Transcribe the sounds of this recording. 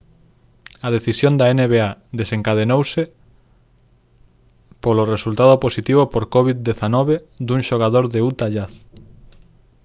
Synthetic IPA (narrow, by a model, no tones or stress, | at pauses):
ɐð̞eθisjond̪aeneβeaðeseŋkað̞enowsɪ | poloresult̪að̞oposit̪iβopoɾkɔβid̪eθanɔβed̪uŋʃoɣ̞aðoɾðeut̪aʎaθ